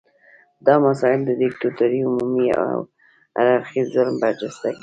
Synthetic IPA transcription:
d̪ɑmasɑɪld̪əd̪ɪk̚t̪ot̪aɾiʊmumia̰w | a̰ɾaɾxizʊlmbaɾd͡ʒast̪aɡi

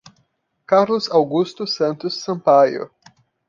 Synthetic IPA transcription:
kaɾlʊzawɡust̪ʊsɐ̃nt̪ʊsːɐ̃mpajʊ̰

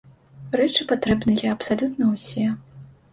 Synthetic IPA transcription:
rɛt͡ʂɨpat̪ɾɛbnɨjɐɐpsalʲut̪nɐwsʲɛ

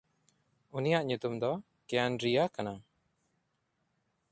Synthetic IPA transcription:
unijaʔɲut̪umd̪ɔ | kɛjanɖɾijakana

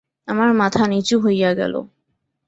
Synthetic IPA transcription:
amaɾmat̪ʰanit͡ɕuɦojjaɡɛ̰lo̰

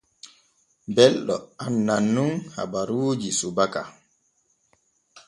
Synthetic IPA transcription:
bɛlɗɔ̰anːanːunha̰baɾuːd͡ʒisubaka

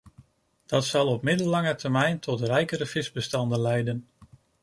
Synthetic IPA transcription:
d̥ɑtsɑlˠɔpmɪdəlːɑŋətəɹmɛjntʰɔtrɛjkəɾəv̥ɪzbəstɑndənlɛjdən

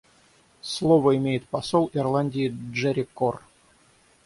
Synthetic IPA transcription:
slˠovəɪmʲejɪt̪̚pɐsolˠɪrlˠanʲdʲɪːʐɛɾʲɪkːor

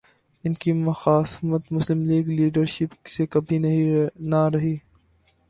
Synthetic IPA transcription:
ɪnkimɐxaːsmət̪mʊslɪmliːɡliːɖəɾʃɪpsekɐbʱinɐɦĩnaɾɐɦiː

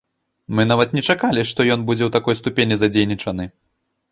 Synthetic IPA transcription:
mɨnavɐt̪nʲɛt͡ʂakalʲiʂt̪ɔjɔnbud͡zʲɛwt̪akɔjst̪upʲenʲizɐd͡zʲejnʲit͡ʂɐnɨ

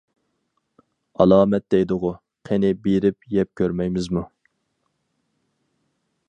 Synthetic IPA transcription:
ɑ̰lˠɑːmɛt̪̚d̪ɛjd̪ʊʁʊ | qʰenɪbeɾɪpjɛp̚kʲʰøɾmɛjmɪzmu

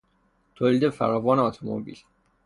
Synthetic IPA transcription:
t̪ʰoːliːd̪efæ̰ɾɒːvɒːneɔt̪ʰomo̰bḭːl

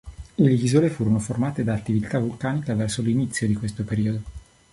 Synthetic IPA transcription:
eleizolefuːɾonoformaːt̪ed̪aːt̪ːivit̪avulkaːnikavɛrsolinit̪sːjod̪ikwest̪opeɾiːod̪o

